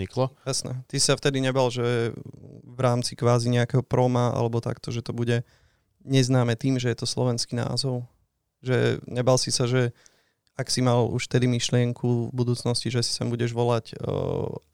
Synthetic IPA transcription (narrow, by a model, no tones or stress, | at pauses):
ɲiklɔjasnɛ̰t̪isi̥saft̪ɛd̪iɲɛbalʒɛ | ʋɾaːmt͡sikʋaːziɲɛakɛɦɔpɾɔmaa̰lɛbɔt̪a̰kt̪ɔʒɛt̪ɔbuɟɛ | ɲɛznaːmɛt̪iːmʒɛjɛt̪ɔslɔ̰ʋɛnskina̰ːzɔʊ | ʒɛ̰ɲɛbalsisaʒɛ | aksimalṵʃft̪ɛd̪imiʃlɪɛŋkʰuvbud̪uːt͡snɔsciʒɛsi̥sɛmbuɟɛʒʋɔlac